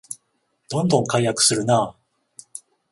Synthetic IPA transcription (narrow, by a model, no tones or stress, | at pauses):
d̪̥õ̞nd̪õ̞ŋkaijakɯ̟̥sɨɾɯ̟naː